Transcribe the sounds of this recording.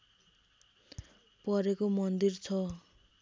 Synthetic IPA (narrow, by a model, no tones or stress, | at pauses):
pʌɾekomʌnd̪irt͡sʰʌ